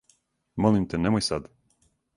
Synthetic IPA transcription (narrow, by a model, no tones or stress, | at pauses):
molˠimt̪ɛnemojsad̪